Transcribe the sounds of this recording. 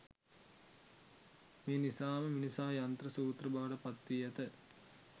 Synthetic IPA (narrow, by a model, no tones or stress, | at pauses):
meːnisaːməminisaːjant̪ɾəsuːt̪rəbaːɖəpat̪ʋiat̪ə